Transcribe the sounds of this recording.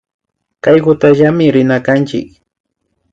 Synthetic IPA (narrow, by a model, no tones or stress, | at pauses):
kajɢʊt̪aʒamɪɾɪnakant͡ʃɪ̰k